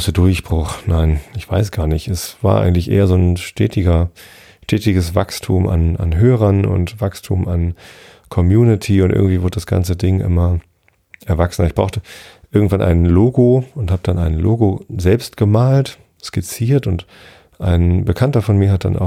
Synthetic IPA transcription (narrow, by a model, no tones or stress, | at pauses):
sədʊɐçb̥ʁʊχnaɪnɪçv̥aɪsɡ̥aːɐnɪçtɛsv̥aːɐʔa̰ɪɡŋ̩tlɪçʔḛːɐzoːnʃtʰɛ̰ːtɪɡɐ | ʃtʰɛːtɪɡəsv̥a̰kstʰuːma̰na̰nɦøːʁ̞ɐnʊ̰ntvakstʰuːman | kʰɔmjuːnɪtʰiʊntʔɪ̰ɐɡŋ̩tv̥iːvɪɐdədasɡ̥a̰nt͡sədɪŋʔɪ̰mɐ | ʔɛɐvaksn̩ɪçb̥ʁ̥aʊxtəʔɪɐɡŋ̩tv̥anʔa̰ɪnəloːɡoʊnthaːbəd̥anaɪnlo̰ːɡozɛlpstɡ̥əmaːlt | skɪt͡siːɐtʊnt | ʔa̰ɪnbəkʰantɐfɔnmiːɐhat̚d̥a̰nʔa̰ʊ